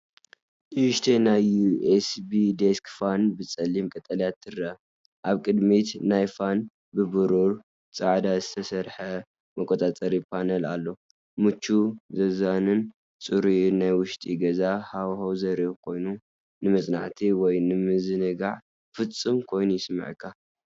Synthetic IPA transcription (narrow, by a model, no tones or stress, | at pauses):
ʔuʃt̪ʰenajuesbid̪eskfanbɨt͡sʼɐlimkʼɐt̪ʼɐljat̪ʰːɨrɐ | ʔaβkʼɨd̪mit̪najfan | bɨbɨɾuɾ | t͡sʼaʕd̪azɨt̪ʰɐsɐɾħɐ | mɐkʷʼːot̪ʼat͡sʼɐɾipʰanɐla̰lːo̞ | mɨt͡ʃʰːuzɐzanɨn | t͡sʼɨɾinajwʊʃt̪ʼiɡɐzahawhowzɐɾiβkʰo̞jnu | nɨmɐt͡sʼna̰ʕt̪ʰiwɔjnɨmɨzɨnɨɡaʕ | fɨt͡sʼːɨmkʰo̞jnujɪsmɨ̰ʕkʰːa